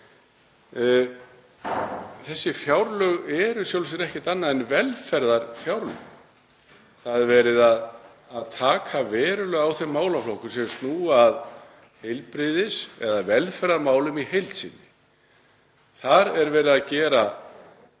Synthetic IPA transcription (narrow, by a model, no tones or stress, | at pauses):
θɛsːɪfjawɾlœɣɛɾʏsjowls̬ɪnɛhcɪt̪anːaðɛnvɛlfɛɾðaɾfjawɾlœ̰ɣ | θaðɛɾvɛːɾɪðað | aðt̪ʰaːkʰavɛːɾʏlœɣawθemːaːwlaflowhkʏsɛmst̪nuːaːð | hejlpɾɪðɪsɛ̰ðavɛlfɛɾðaɾmaːwlʏmihejlt̪sḭːnːɪ | θaɾɛɾvɛːɾɪðaðcɛːɾa